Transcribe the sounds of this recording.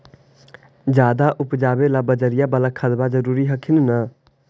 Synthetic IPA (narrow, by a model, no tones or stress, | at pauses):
d͡ʒaːd̪aʔupd͡ʒaːbelabəd͡ʒəɾijabəlakʰəd̪bad͡ʒəɾuɾiɦəkʰinnə